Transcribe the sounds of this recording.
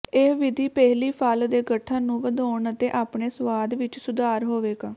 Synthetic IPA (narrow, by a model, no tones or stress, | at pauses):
eːʋɪd̪ʱiːpɛɦliːpʰaːld̪eːɡəʈʰːãːnũːʋəd̪oːɳət̪eːʔaːpɳeːsʋaːd̪ʋɪt͡ʃsʊd̪aːɾɦoːʋeːɡaː